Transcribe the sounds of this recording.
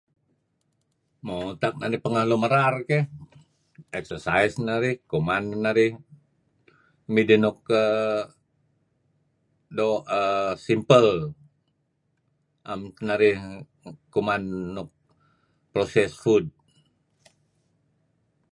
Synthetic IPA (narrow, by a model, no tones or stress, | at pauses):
mot̪ak̚naɾihpəŋahloməɾarkɛh | ɛk̚sərsaisnaɾihkomanːaɾih | midənuk̚ə | doəsimpəl | ʔamnaɾih | kumanːuk̚ | prosɛsfud̚